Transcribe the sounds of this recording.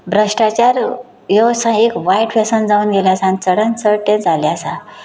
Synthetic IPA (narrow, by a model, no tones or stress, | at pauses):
bɾəʂʈat͡ɕaɾ | josãekʋajʈfesənd͡zauːnɡeljasanit͡səɽənsəɾʈẽd͡zʱaljasa